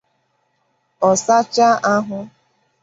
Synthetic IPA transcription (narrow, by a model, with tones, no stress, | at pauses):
ɔ˨sa˦t͡ʃa˦ʔa˦ɦʊ˦